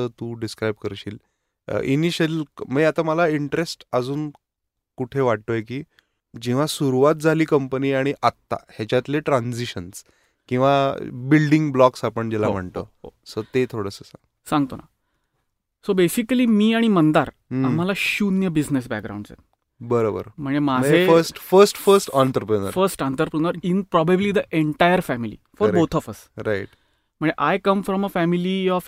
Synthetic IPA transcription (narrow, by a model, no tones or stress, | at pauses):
ət̪ũɖiskɾajb̚kəɾɕiːl̰ | ʔiniɕəlməat̪aməlaiɳʈɾesʈəd͡zuːn | kuʈʰeʋaʈ̚t̪ojekiː | d͡ʑĩw̃ʋasuɾuʋat̪̚d͡zʱaliːkəmpəniːaɽ̃iʔat̪ːa̰hjat͡ɕjat̪leʈɾand͡ziɕəns | kĩw̃ʋabilɖiŋɡblɔksapəɳd͡ʑɛlam̤əɳt̪o̰osət̪et̪ʰoɽəsəsa̰ | sãŋɡt̪ona̰ | sobesikəliːmiːaɽ̃imənd̪aɾ | am̤alaɕunjəbid͡znes̬bæ̰k̚ɡɾa̰ũɳɖd͡za̰n | bəɾobə̰ɾm̤əɳemad͡zʱeəɾsʈfəɾsʈfəɾsʈɔnt̪əɾpɾənəɾfəɾsʈant̪əɾpɾənəɾinpɾɔbəbliːd̪əʔeɳʈajəɾfæmilḭfɔɾbot̪ʰɔfəsɾaiʈ | m̤əɳeʔajkəmfɾɔməfæmiliɔf